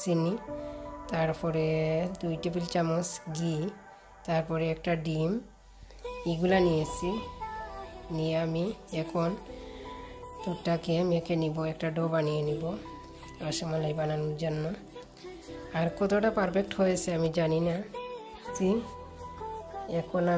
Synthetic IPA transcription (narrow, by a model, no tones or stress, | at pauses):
sinit̪aɾpɔɾed̪ujʈipilt͡ʃamosɡi | t̪aɾpɔɾeɛk̚ʈaɖim | iɡulanijet͡ɕʰi | nijeamiɛkʰon | t̪oːakemekeniboɛkʈaɖobanijenibo | aaʃɔmlajbananud͡ʒanːɔ | aɾkɔt̪ʰoʈapaɾbek̚ʈhojet͡ɕʰeamid͡ʑanina | zi | ɛkʰona